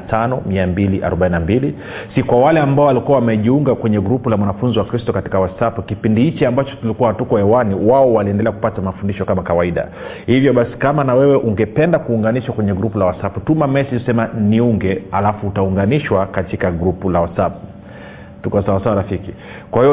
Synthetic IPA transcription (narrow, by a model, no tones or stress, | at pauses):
tʰanɔmiambiliʔa̰ɾɔɓaininambili | sikwawalɛambaɔwalikuawamɛʄiuŋɡakwɛɲɛɡɾupulamwanafunziwakɾistɔkati̥kawasapukipindihit͡ʃiambat͡ʃɔ̥tulikuwahatukɔhɛwaniwaɔwaliɛndɛlɛaku̥patamafundiʃɔkamakawaiɗa̰ | hivjɔɓasi̥kamanawɛwɛʔuŋɡɛpɛndakuːŋɡaniʃwakwɛɲɛɡɾupulawasaputumamɛsiɔsɛmaniuŋɡɛalafuːtauŋɡaniʃwakatikaɡɾupulawasap̚u | tukɔasawasawaɾafiki | kwahiɔ